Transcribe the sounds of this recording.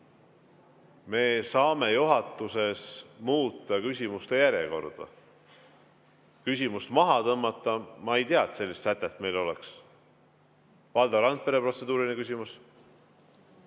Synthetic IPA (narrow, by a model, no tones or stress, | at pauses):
me̞ːsɑːme̞juɦɑt̪ːˑuse̞smuːt̪ˑːɑkysʲimust̪e̞jæɾje̞̰ko̞rd̪̥ɑ̰ | kys̬ʲimust̪mɑɦɑt̪ɤmːɑt̪ˑːɑmɑejt̪eɑt̪se̞lʲːist̪sæt̪ːˑe̞t̪ːˑme̞jlo̞lḛks | vɑld̪̥ɑɾɑnt̪̚pe̞ɾe̞pro̞t̪se̞d̪uːɾinekysʲimus